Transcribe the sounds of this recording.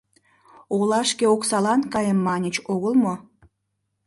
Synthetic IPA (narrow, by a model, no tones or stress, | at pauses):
olɑʃkeoksɑlɑnkɑjəmːɑnʲət͡ɕoɣəlmo